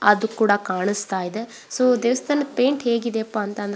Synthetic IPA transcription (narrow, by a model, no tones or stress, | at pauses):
ɐd̪ukuːɽakaːɳist̪aːjid̪e | soːd̪eʋɐst̪ʰɐːnɐpeːɳʈɦeːɡid̪eɐpːɐːnt̪ɐnd̪